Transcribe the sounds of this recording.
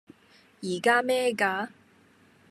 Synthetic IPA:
jiː˨˩kaː˥mɛː˥kaː˧˦

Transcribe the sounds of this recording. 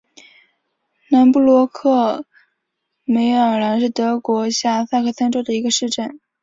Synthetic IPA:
na˧˥npu˥˩lwɔ˧˥kʰɤ˥˩ | me˧˥ɪjɑ˨˩ŋɻa˧˥nʂɻ̩˥˩t̪ɤ˧˥kwɔ˧˥ɕja˥˩sa˥˧kʰɤ˥˩sʰa˥nʈ͡ʂo˥d̪ə˩i˧˥ɡə˧ʂɻ̩˥˧ʈ͡ʂə˥˩n

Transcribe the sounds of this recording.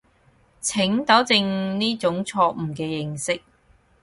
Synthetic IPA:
t͡sʰɪ˨˥ŋt̪ɐ˨˥wt͡sɪ˧ŋniː˥t͡sʊ˨˥ŋt͡sʰɔː˧k̚m̩˨˩kɛː˧jɪ˨˧ŋsɪ˥k̚

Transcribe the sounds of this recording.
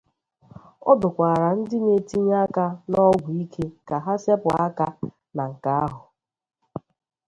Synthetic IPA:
ɔ˦bʊ˨kʷa˨ɾa˨n̩˦dɪ˦ne˨ti˦ɲ˦a˦ka˦nɔ˦ɡʷu˨i˦kʰe˦ka˨ɦa˦se˦pa˦ka˦ | na˨ŋ̩˨ka˦a˦ɦʊ˨

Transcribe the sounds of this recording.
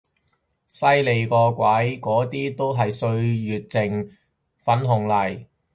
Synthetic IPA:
sɐ˥jle˨˧jkɔː˧kʷɐ˨˥jkɔː˨˥t̪iː˥t̪o˥wɦɐ˨jsɵ˧ɥɥyː˨t̚t͡sɪ˨˩ŋ | fɐ˨˥nɦʊ˨ŋlɐ˨˩j

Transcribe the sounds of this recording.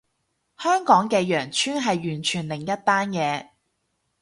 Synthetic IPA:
hœː˥ŋkɔː˨˥ŋkɛː˧jœː˨˩ŋt͡ʃʰyː˥nɦɐ˨jɥyː˨˩nt͡ʃʰyː˨˩nlɪ˨˩ŋjɐ˥t̚t̪aː˥njɛː˨˧

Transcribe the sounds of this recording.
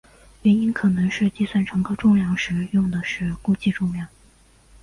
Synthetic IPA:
ɥɛ˧˥ni˥nkʰɤ˨˩nɤ˧˥ŋʂɻ̩˥˧t͡ɕi˥˧swa˥˩nʈ͡ʂʰɤ˧˥ŋkʰɤ˥ʈ͡ʂʊ˥˧ŋljɑ˥˩ŋʂɻ̩˧˥jʊ˥˩ŋd̪ə˩ʂɻ̩˥˧ku˥˧t͡ɕi˥˧ʈ͡ʂʊ˥˧ŋljɑ˥˩ŋ

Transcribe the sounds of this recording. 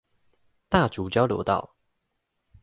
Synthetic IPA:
t̪a˥˨t͡su˨˦t͡ɕjɑ˦ʊljo̰˧˥ʊt̪ɑ̰˥˨ʊ

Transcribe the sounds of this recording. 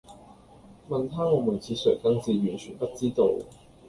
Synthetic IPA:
mɐ˨nt̪ʰaː˥ŋɔː˨˧muː˨˩nt͡sʰiː˨˧sɵ˨˩t̪ɐ˨˧˥ŋt͡siː˨˧jy˨˩nt͡ʃʰyː˨˩npɐ˥t̚t͡siː˥t̪o˧w

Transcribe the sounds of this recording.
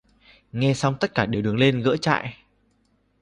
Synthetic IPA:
ŋɛ˧sa˧wŋ͡mt̪ə˦˥t̚kaː˧˩ɗe˨˩wɨ˨˩əŋle˧nɣə̰˧˥t͡ɕa̰ː˧˨j

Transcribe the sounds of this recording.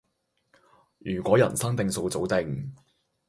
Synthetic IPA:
jyː˨˩kʷɔː˨˥jɐ̰˨˩nsɐ˥ŋt̪ɪ˨˧ŋso˧wt͡so˨˥wt̪ɪ˧ŋ

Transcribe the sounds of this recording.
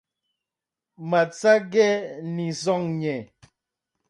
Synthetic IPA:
ma˨t͡sa˦ɡɛ˦ni˨zɔ˦˨ŋɲɛ˨

